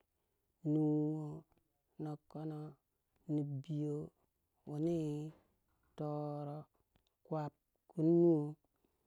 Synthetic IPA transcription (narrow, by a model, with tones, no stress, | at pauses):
nu˨wo˦ | no˨kːo˦no˦ | ni˨bi˨jo˦ | wo˨ni˦ | to˨ɾo˦ | kwa˨p̚ | ku˦nː˦u˦o˦